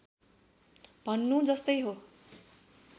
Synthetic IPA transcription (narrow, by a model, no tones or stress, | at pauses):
b̥ʱʌnːud͡zʌst̪ʌjɦo